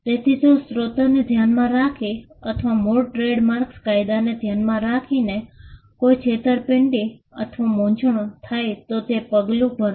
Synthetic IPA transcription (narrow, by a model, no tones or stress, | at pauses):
t̪et̪ʰid͡ʒosɾot̪aned̪ʱjanmãɾakʰi | ət̪ʰʋamoʈɾeɽmaɾkskajd̪aned̪ʱjanmãɾakʰine | koit͡ʃʰet̪əɾpɪɳʈiət̪ʰʋamõɲt͡ʃɳ̃ot̪ʰajt̪ot̪epəɡlũbəɾ